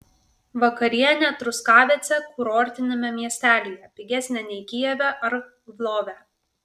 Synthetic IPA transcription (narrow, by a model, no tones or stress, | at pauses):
ʋɐkɐɾʲɪjɛnʲɛt̪ɾʊskɑːʋʲɛt̪sʲɛkʊɾoːɾʲt̪ʲɪnʲɛmʲɛmʲiɛsʲt̪ʲæːlʲijɛpʲɪɡʲæsʲnʲɛnʲɛɪkʲijɛʋʲɛʔɐɾ | ʋlˠoːʋʲæ